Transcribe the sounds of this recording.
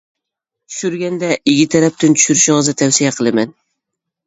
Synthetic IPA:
t͡ʃʰy̥ʃyɾɡʲɛnd̪ɛʔɪɡʲit̪ʰæɾæp̚t̪ɪnt͡ʃ̪ʰy̥ʃyɾɪʃɪŋɨzd̪ɪt̪ʰæwsijaqʰəlˠɨmɛn

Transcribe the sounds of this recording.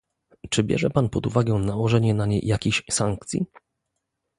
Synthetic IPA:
t͡ʂɘbʲjɛ̰ʐɛpanpɔd̪uvaɡɛnawɔʐɛɲɛnaɲḛjʔakʲeɕsaŋk̚t̪sʲjḭ

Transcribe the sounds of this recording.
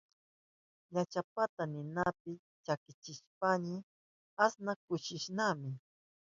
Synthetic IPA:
ɲat͡ʃapat̪anɪnapɪ | t͡ʃakɪt͡ʃɪʃpanɪ | asnakʊʃɪʃnamɪ

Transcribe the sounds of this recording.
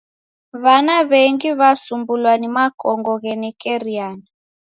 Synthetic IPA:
βanaβeŋɡiβasumbulwanimakʼɔŋɡɔɣɛnɛkʼɛriaːni

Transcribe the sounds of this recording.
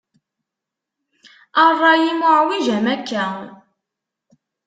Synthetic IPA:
ərˤːɑjimʊʕwiʒæmækːæ

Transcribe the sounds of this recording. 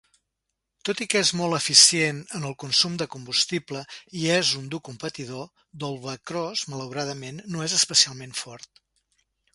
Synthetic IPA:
t̪ot̪ikezmɔlˠəfisienənəlˠkunsumd̪əkumbust̪ipləiezund̪ukumpət̪iðo | d̪olˠβəkɾɔzmələwɾað̞əmenːoezəspəsialˠmeɱfɔɾt̪

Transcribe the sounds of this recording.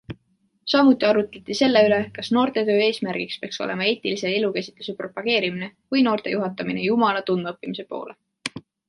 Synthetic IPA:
sɑmut̪ːˑiɑɾut̪ːˑet̪ːˑise̞lːe̞yle̞kɑsno̞ːrt̪e̞t̪ø̞ːe̞ːsmærɡ̥ikspeɑkso̰ʔe̞̰mɑe̞ːt̪ilise̞elukæsi̥t̪lu̥sepro̞pɑɡ̥e̞ːɾimine̞kujno̞ːrt̪e̞juɦɑt̪ːˑɑminejumɑlɑt̪unːɤpːimise̞po̞̰ːlʔe

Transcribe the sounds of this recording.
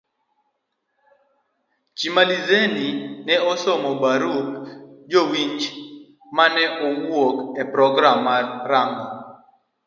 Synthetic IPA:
t͡ʃimalizeninɛɔsɔmɔbaɾukd͡ʒowiɲt͡ʃ | manɛʔɔwokɛpɾɔɡɾamːaɾaŋɡɔ

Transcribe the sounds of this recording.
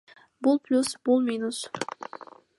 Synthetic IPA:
bulˠplʲusb̥ulˠmʲinus

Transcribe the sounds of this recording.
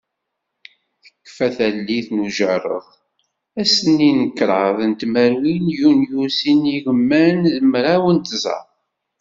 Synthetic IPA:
θəkːfæθælːiθnuʒərˤə̰ðˤ | æsənːinəkːɾˤɑðˤənt̪mæɾwinjunjusiniʝəmːænðəmɾˤawənt̪zɑ̰ɾˤ

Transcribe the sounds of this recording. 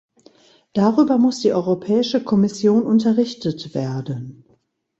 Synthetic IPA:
d̥aʁyːbɐmʊsd̥iːʔɔʏʁopʰɛːɪʃəkʰɔmɪsjoːnʔʊntɐʁɪçtətv̥eːɐdən

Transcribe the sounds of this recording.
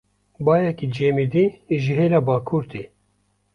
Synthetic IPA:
bɑːjɛkid͡ʒeːmid̪iːʒiɦeːɾɑːbɑːkʰuːɾt̪ḭː

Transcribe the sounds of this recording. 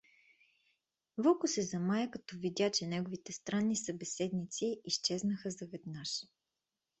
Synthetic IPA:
vɔkʊsɛzɐmajəkɐt̪ɔvid̪ʲjat͡ʃɛnɛɡʊvit̪ɛst̪ɾanːisɐbɛsɛd̪nit̪siist͡ʃɛznɐxəzɐvɛd̪naʃ

